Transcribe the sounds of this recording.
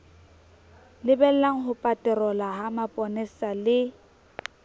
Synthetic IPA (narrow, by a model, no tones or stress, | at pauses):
lɪbɛllaŋ̩ɦʊpʼatʼɛrɔlaɦamapʼɔnɪsalɪ